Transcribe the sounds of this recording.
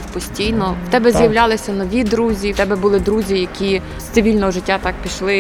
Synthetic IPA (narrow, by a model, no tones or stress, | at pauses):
pɔsʲtʲijnɔwt̪ɛbɛzjɐwlʲɑlˠɪsʲɐnɔʋʲid̪ɾuzʲit̪ɛbɛbʊlˠɪd̪ɾuzʲijɐkʲi | st̪sɪʋʲilʲnɔɦɔʒɪtʲːat̪ɑk̚pʲiʃlˠɪ